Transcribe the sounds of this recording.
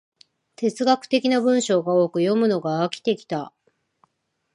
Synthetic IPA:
t̪e̞t͡sɨɡakɯ̟̥t̪e̞kʲinabɯ̟̃ɰ̃ɕo̞ːɡao̞ːkɯ̟jo̞mɯ̟no̞ɡaːkʲi̥t̪e̞kʲi̥t̪a

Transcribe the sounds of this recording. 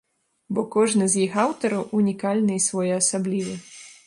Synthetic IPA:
bɔkɔʐnɨzʲjixawt̪ɐɾɐwunʲikalʲnɨisvɔjɛɐsablʲivɨ

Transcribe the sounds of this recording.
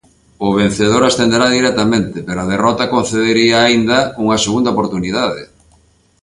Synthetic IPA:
ʊβ̞en̟θeð̞oɾast̪end̪eɾaðiɾɛt̪amẽnt̪epeɾoaðerɔt̪akon̟θeðeɾiaːind̪ɐuŋɐseɣund̪aopoɾt̪uniðaðe

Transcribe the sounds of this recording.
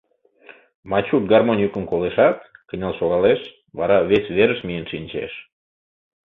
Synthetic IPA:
mɑt͡ɕut̪̚ɡɑrmonʲukənkoleʃɑt̪kənʲɑlʃoɣɑleʃ | βɑ̰ɾɑβesβeɾəʃmijənʃinʲt͡ɕḛʃ

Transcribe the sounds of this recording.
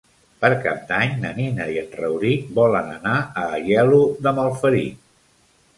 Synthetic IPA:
pəɾka̰p̚d̪aɲnəninəiənrəwɾibɔlənənaəːʒɛluðəməlˠfəɾḭ

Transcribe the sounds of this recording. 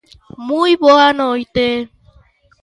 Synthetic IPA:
mũiβoanõjt̪e

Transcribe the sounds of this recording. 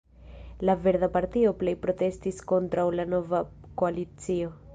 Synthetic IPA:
lave̞ɾðapaɾtio̞ple̞jpɾo̞te̞stisko̞ntɾawlano̞va | ko̞alit͡sio̞

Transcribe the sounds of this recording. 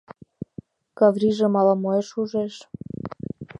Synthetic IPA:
kɑvriʒĕmɑlɑmoeʃuʒeʃ

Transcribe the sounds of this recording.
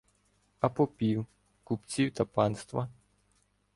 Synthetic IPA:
ɐpɔpʲiw | kupt͡sʲiwt̪ɐpɑnst̪ʋɐ

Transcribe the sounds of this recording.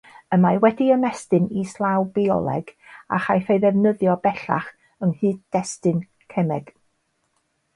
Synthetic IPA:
əmawɛdiəmɛstɨnislˠawbiɔ̰lˠɛ̰ɡ̥a̰χajθejðɛvnəðjɔbɛɬa̰χ | əŋhɨːddɛstɨn | kʰɛmɛɡ̥

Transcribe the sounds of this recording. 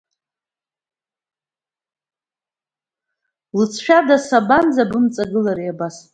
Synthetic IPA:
lɨt͡sʰʃᶣadasaband͡zabɨmt͡sʼaɡɨlaɾiabas

